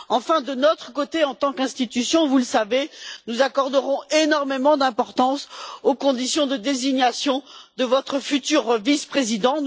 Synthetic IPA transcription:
ɑ̃fɛ̃d̪ənɔt̪χəkot̪eɑ̃t̪ɑ̃kɛ̃st̪it̪ysjɔ̃vuləsavenuzakɔʁd̪əʁɔ̃enɔʁmemɑ̃d̪ɛ̃pɔʁt̪ɑ̃sokɔ̃d̪isjɔ̃d̪əd̪eziɲasjɔ̃d̪əvɔt̪χəfyt̪yʁvispχezid̪ɑ̃

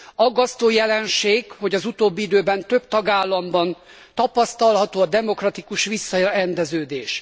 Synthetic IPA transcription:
ɒɡːɒst̪oːjɛlɛnʃeːɡho̞ɟɒzut̪oːbːiid̪øːbɛnt̪ø̞b̚t̪ɒɡaːlːɒmbɒn | t̪ɒpɒst̪ɒlɦɒt̪oːɒd̪ɛmo̞krɒt̪ikuʃʋisːɒɾɛnd̪ɛzøːd̪eːʃ

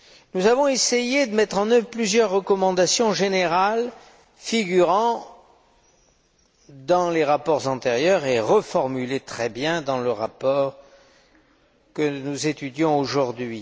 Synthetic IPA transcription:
nuzavɔ̃esejed̪əmɛt̪χɑ̃nœvʁplyzjœʁːəkɔmɑ̃d̪asjɔ̃ʒeneʁal | fiɡyʁɑ̃ | d̪ɑ̃leʁapɔʁzɑ̃t̪eʁjœʁeʁəfɔʁmylet̪χɛbjɛ̃d̪ɑ̃ləʁapɔʁ | kənuzet̪yd̪jɔ̃oʒuʁd̪ɥi

